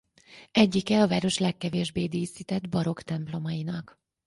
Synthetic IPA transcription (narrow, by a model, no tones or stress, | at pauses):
ɛɟːikɛɒvaːɾo̞ʃlɛkːɛveːʒbeːd̪iːsiːt̪ɛd̪bɒɾo̞kt̪ɛmplo̞mɒjinɒk